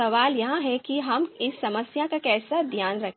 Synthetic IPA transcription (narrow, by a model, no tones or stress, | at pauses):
ɐʋaːljɐɦãɦɛkiɦɐmɪsːɐməsjakakɛːsad̪ʱjaːnɾɐ